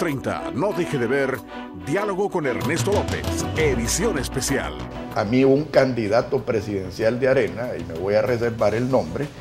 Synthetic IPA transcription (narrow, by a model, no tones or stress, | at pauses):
t̪ɾejnt̪a̰no̞ðexeðeβeɾ | d̪jalo̞ɣoko̞neɾne̞st̪olopḛseðisjo̞nespesja̰l | amiuuŋkand̪iðat̪o̞pɾe̞siðe̞nsjald̪eaɾe̞naḭme̞βo̞jares̬eɾbaɾelnõ̞mbɾe